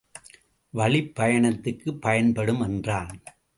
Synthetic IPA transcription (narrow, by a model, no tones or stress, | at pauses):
ʋɐɭɪpːɐjɐɳɐt̪ːɯrkːɯpːɐjɐnpɐɽɯmɛndraːn